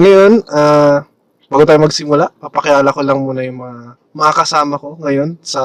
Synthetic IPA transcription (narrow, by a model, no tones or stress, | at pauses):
ŋɐjo̞nʔa | baːɡʊt̪aːjomɐɡsɪmʊlaʔpɐpɐkɪjaːlɐko̞lɐŋmuːnɐjʊŋmɐŋa | mɐŋakɐsaːmɐko̞ŋɐjo̞nsɐ